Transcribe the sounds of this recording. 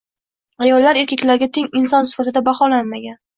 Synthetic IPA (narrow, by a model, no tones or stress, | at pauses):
ajɒlˠːaɾe̞ɾkʲakʲlaɾɡʲat̪ʰe̞ŋɪnsɒnsɪ̥fat̪ɪd̪abaχɒlanmaɡʲan